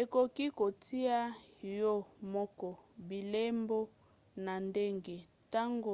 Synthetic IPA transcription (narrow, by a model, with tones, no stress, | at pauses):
e˨ko˨ki˦ko˨tʰi˦a˦jɔ˦mɔ˦kɔ˦bi˨le˦mbo˦ | na˨nde˦ŋɡe˨ | ta˦ŋɡo˨